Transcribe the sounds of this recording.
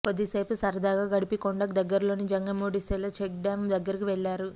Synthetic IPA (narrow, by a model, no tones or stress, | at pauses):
pɐd̪isɐjpusɐɾɐd̪aːɡaːɡɐɽipikoɳɖɐkd̪ɐɡːɐɾlo̞ːnid͡ʒɐŋɡɐmoːɽisɛlɐt͡ʃek̚ɖaːmd̪ɐɡːɐɾikiʋɛɭːaːɾu